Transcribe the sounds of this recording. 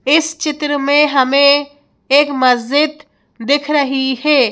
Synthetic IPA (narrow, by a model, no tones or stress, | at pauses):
ɪst͡ʃɪt̪ɾəmẽɦɐmẽ | eːkmɐzd͡ʒɪd̪̚ | d̪ɪkʰɾɐɦiɦɛː